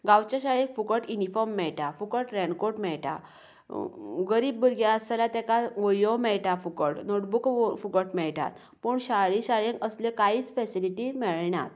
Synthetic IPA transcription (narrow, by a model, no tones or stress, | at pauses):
ɡawt͡ɕaɕaɭẽkfukəʈunifɔɾmːɛɭʈafukəʈɾɛ̃ɳkoʈmɛɭʈa̰ | ɡəɾiːbːuɾɡjaəsalat̪ɛ̃kaʋəjõmɛɭʈafukəʈnoʈbukfukəʈmɛɭʈa̰t̪ | puɳɕaɭiɕaɭjẽkəslekaɦiːt͡sfɛsiliʈimɛɭnat̪